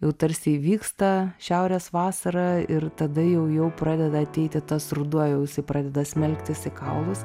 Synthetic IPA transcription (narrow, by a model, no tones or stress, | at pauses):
jɛʊt̪ɐɾʲsʲɪʋʲiːkst̪ɐʃʲæʊɾʲɛːsʋɑːsɐɾɐɪrt̪ɐd̪ɐjɛʊjɛʊpɾɑːd̪ʲɛd̪ɐɐt̪ʲɛɪt̪ʲɪt̪ɐsrʊd̪uɔjɛʊjɪsɐɪpɾɑːd̪ʲɛd̪ɐsʲmʲɛlʲkt̪ʲɪsɪkɐʊlˠʊs